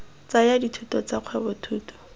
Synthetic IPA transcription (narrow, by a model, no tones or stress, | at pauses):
t͡sajaditʰutɔt͡saq͡χʰwɛbɔtʰuːtɔ̥